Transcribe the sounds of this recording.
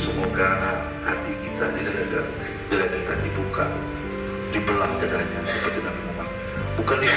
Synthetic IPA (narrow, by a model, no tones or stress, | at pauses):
səmoɡa | ha̰t̪ikit̪adidalaɡa | dəladat̪andibuka̰ | dibəlahdadaɲasəpərt̪inabimuma | bukandi